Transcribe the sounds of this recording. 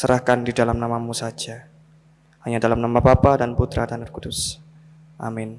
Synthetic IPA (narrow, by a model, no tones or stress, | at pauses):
səɾahkandidalamnamamusad͡ʒa | haɲadalamnamabapadanput̪ɾa̰danərkudʊs | ʔa̰mɪn